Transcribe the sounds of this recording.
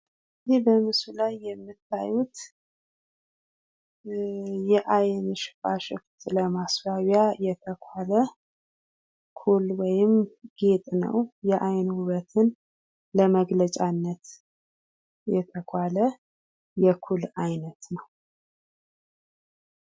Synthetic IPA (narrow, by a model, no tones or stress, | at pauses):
d̪ibəmɨsulajːɛmːɨt̪ʰːa̰jut̪ | jɛʔajnʃɪ̥fʼa̰ʃɪ̰ft̪ləmasbaβjajɛt̪ʰəkʷʰalə | kʰulwɔjɪmɡ̥e̞t̪ʼnə̰wjɛʔajnwʊβət̪ʰɨn | ləməɡlət͡ʃʼanːət̪ | jɛt̪ʰəkʷʰalə | jɛkʰulajnət̪nəw